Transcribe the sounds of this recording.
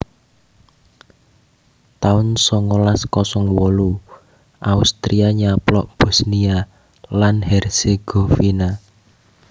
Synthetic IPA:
t̪aʊnsɔŋolaskɔsɔŋwɔlu | ʔaust̪ɾiaɲaplɔ̰ʔb̥ɔ̤snia | lanhɛrseɡ̥ofina

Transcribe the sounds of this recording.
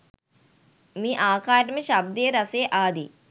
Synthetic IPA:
miːʔaːkaːɾʈɐmiʃɐb̚d̪ɐjɐɾɐseːʔaːd̪i

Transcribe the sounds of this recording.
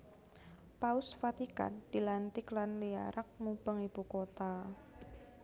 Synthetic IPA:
paʊsfat̪ika̰nd̥ilant̪ɪklanlia̰ɾʔak̚mub̥əŋib̥ukot̪a

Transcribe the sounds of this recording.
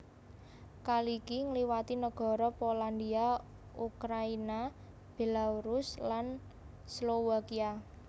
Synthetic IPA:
kalikiŋliwat̪inəɡ̥ɔ̤ɾɔpoland̪ia | ukɾaina | b̥elauɾuslan | slowakia

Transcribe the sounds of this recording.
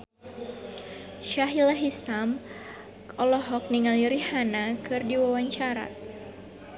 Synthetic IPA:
ʃaɦilaɦisam | ɔlɔɦɔk̚niŋaliɾihanakɨrdiwawaɲt͡ʃaɾa̰

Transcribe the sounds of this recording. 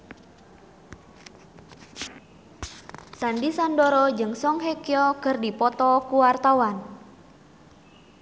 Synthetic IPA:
sandisandɔɾɔd͡ʒɨŋsɔŋɦekjɔkərdipɔt̪ɔkuwart̪awan

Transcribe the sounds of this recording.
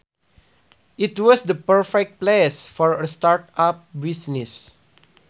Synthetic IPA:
ʔitwɔsdəpəɹfɛk̚t̚plesfɔɹəstaɹtap̚bisnis

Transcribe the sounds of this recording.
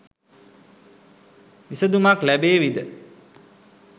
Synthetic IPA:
ʋisəd̪umaklæbeːʋid̪ə

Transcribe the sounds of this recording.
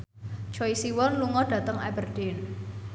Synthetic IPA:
t͡ʃɔisiwɔnluŋɔɖ̥ä̤t̪əŋɛ̰bərɖ̥ɪn

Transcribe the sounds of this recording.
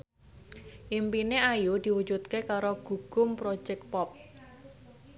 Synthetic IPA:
ʔimpineajud̪̥i̤wu̥d͡ʒut̪̚kekaɾoɡ̥ṳɡ̥ʊ̤mpɾo̥d͡ʒɛk̪̚pɔp̚

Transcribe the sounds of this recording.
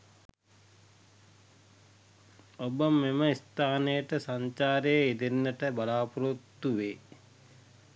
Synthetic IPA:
obəmːeməist̪aːnəjəʈəsaɲt͡ʃaːɾejəid̪enːəʈəbalaːpuɾot̪ːuʋeː

